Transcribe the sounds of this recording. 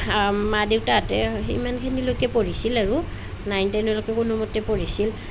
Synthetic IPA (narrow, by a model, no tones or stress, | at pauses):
madewtaatɛḭmankʰenilojkɛpoɹisilaɹu | najntɛnɔlokɛkunumɔtːɛpoɹisil